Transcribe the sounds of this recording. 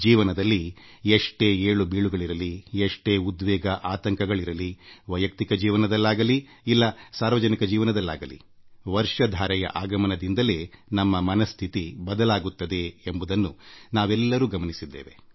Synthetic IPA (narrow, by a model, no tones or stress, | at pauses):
d͡ʒiːʋɐnɐd̪ɐlːieʂʈe̞ːeːɭubiːɭuɡɐɭiɾɐlieʂʈe̞ːud̪ʋɛːɡɐʔaːt̪ɐŋkɐɡɐɭiɾɐliʋɐjɐk̚t̪ikɐd͡ʒiːʋɐnɐd̪ɐlːaːɡɐli | ilːɐsaːɾʋɐd͡ʒɐnikɐd͡ʒiːʋɐnɐd̪ɐlːa̰ːɡɐlḭ | ʋɐɾʂɐd̪ʱaːɾɛjɐ̰ʔaːɡɐmɐnɐd̪ind̪ɐle̞ːnɐmːɐmɐnɐst̪ʰit̪ibɐd̪ɐlaːɡut̪ːɐd̪e̞embud̪ɐnːunaːʋɛlːɐɾuːɡɐmɐnisid̪ːḛːʋe